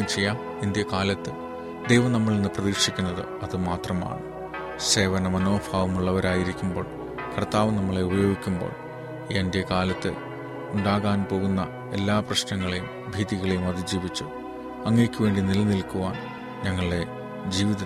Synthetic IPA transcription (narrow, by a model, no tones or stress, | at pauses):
mt͡ɕejːaː | ind̪jɐkaːlɐt̪ːɨ | d̪ejʋɐmnɐmːɐɭenːɨprɐðiːʂikʲːunːɐðɨ̰ | ɐðɨmaːt̪rɐma̰ːɳɨ | se̞ːʋɐnɐmɐno̞ːfaːʋumuɭːɐʋɐɾaːjiɾikʲːumbo̞ːɭ | kʰɐrt̪aːʋɐmnɐmːɐɭe̞ubɐjo̞ːɡikʲːumbo̞̰ːɭ | ende̞kaːlɐt̪ːɨ | uɳɖaːɣaːnpo̞ːɣunːɐ | elːaːprɐɕnɐŋːɐɭejum | bʱiːðiɣɐɭejumɐðɨd͡ʑiːʋit͡ɕːu | ɐŋːeːkʲːuʋe̞ːɳɖinilɐnilkuʋaːn | ɲɐŋːɐɭɖe̞ | d͡ʑiːʋiðɐ